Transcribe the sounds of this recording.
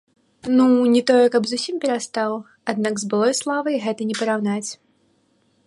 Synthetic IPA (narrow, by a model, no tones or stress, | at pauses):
nunʲɛt̪ɔjɛkɐbzusʲimpʲɛɾast̪aw | ad̪naɡzbɨlˠɔjslˠavɐjɣɛt̪ɐnʲɛpɐɾawnat͡sʲ